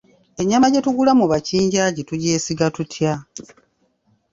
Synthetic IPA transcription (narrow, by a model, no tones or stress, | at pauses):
e̞ɲːamaɟe̞tuɡulamuβaciːɲɟaːɟitujeːsiɡatutʰja